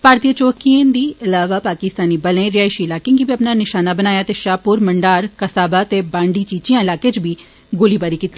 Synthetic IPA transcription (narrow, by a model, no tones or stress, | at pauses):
paːɾt̪iət͡ʃoːkiẽːd̪iːʔɪlaːʋaːpaːkɪst̪aːniːbəlẽːɾɪaːiʃiːɪlaːkɪ̃ŋɡibiːəpnaːnɪʃaːnaːbənaːjaːt̪eːʃaːpuːɾməɳɖaːɾkəsaːbaːt̪eːbãːɳɖiːt͡ʃiːt͡ʃijãːɪlaːkeːt͡ʃbʱiː | ɡoːliːbaːɾiːkiːt̪i